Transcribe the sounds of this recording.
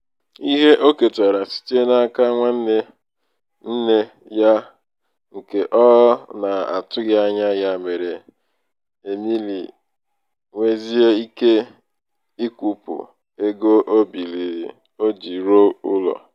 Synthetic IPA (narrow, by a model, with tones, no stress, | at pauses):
i˦ɦe˦ʔo˦ke˨ta˨ɾa˨si̥˦te˦na˦a˦ka˦ŋʷa˦n̩˦ne˦ | n̩˦ne˦ | ja˦ | ŋ̩˨ke˨ʔɔ˦na˨a̰˨tʊ˦ɣa˦a˦ɲa˦ja˦me˨ɾe˨ | e˨mi˦lḭ˨ | ŋʷe˦zi˦e˦i˦ke˦ | i˦kʷu˨pʊ̰˨ | e˦ɡo˦ʔo˦bi˨li˨ɾi˨ | o˦d͡ʒi˨ɾo˦ʊ˦lɔ̰˨